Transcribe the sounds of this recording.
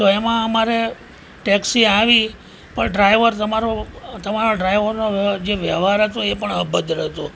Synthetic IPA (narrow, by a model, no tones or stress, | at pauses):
t̪oemãəmaɾe | ʈɛksiaʋi | pəɳɖɾajʋəɾt̪əmaɾot̪əmaɾoɖɾajʋəɾnoʋd͡ʒeʋjəʋɦaɾɦət̪oepəɳəbəd̪ɾɦət̪o